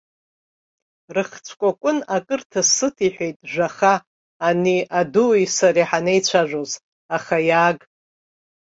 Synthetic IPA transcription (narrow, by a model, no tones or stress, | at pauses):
rɨχt͡sʷʰkʷʼakʷʼʊnakʼɨrtʰasɨtʰiħʷᶣe̞jtʼʒʷaχaː | niʔaduisaɾiħanejt͡ɕʷʰaʒʷoz | aχajaːɡʼ